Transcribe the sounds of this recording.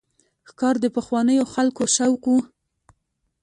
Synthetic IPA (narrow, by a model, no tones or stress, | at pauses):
xkɑɾd̪əpəxwɑnəjoxalkoʃawqwu